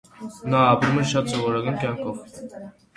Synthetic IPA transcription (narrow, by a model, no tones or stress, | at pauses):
nɑːpɾumɛɾʃɑt̪sɔvɔɾɑɡɑnkʲjɑŋkʰɔv